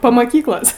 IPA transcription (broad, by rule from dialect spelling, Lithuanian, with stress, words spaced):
pɐ mɐˈkʲiːklˠoːs